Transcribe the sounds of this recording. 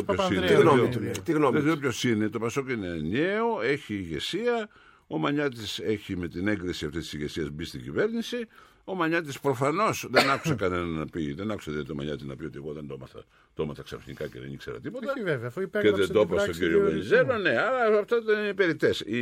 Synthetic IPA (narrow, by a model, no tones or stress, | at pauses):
oposinot̪ɣnoekseɾopçosinet̪o̞pɐsokineneoe̞çiːʝe̞siɐ | o̞mɐɲɐt̪ise̞çime̞t̪ine̞ŋɡðesiɐft̪ist̪isiʝe̞siɐzbist̪iɟḭve̞ɾnisi | o̞mɐɲɐt̪̬ispɾo̞fɐno̞sðenɐku̥sekɐnenɐnɐpiðenɐku̥seðiot̪omɐ̰ɲɐt̪inɐ̰pio̞t̪ieɣo̞ðend̪omɐθɐ̰ | t̪omɐθɐksɐ̰fsnḭkɐceðenikseɾɐ̰t̪ipo̞t̪ɐvvefeðed̪opɐst̪oɟiɾiovenizelone̞ɐɾɐɐft̪oðennipe̞ɾit̪e̞si